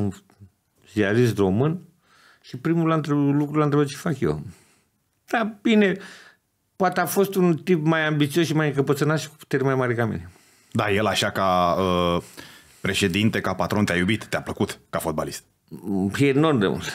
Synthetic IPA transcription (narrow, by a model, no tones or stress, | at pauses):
un | zialis̬t̪ro̞mɨn | ʃipɾimulant̪ɾelukɾulant̪ɾebat̪t͡ʃe̥fakjḛ | d̪̥ab̥ine | poat̪eafo̞st̪unt̪ipmajambit̪siosʃimajɨŋkəpət̪sɨnat̪ʃi̥ku̥pu̥t̪eɾʲmajmaɾʲekamḭne̞ | d̪ajelaʃakaə | pɾe̞ʃe̞d̪int̪e̞kapat̪ɾo̞nt̪eajubit̪ːeapləkut̪kafo̞d̪ba̰list̪̚ | eno̞rmd̪emṵls